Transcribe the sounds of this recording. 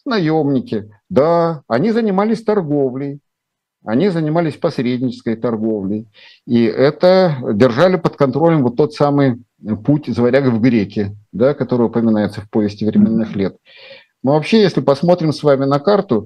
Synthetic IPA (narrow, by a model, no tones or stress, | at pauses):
nɐjomnʲɪkʲɪ | d̪aɐnʲizənʲɪmalʲɪsʲt̪ɐrɡo̞vlʲɪj | ɐnʲizənʲɪmalʲɪsʲpɐsɾʲedʲnʲɪt͡ɕɪ̥skəjt̪ɐrɡo̞vlʲɪj | iʔɛt̪ədʲɪrʐalʲɪpət̪kɐnt̪ɾolʲəmvot̪ːo̞t̪samɨj | putʲzvɐɾʲaɡvɡɾʲekʲɪd̪akɐt̪o̞ɾɨjəʊpəmʲɪnajɪt̪səfpovʲɪsʲtʲɪvɾʲɪmʲe̞nːɨxlʲet̪ | mɨvɐpɕːejesʲlʲɪpɐsmo̞t̪ɾʲɪmsvamʲɪnɐkart̪ʊ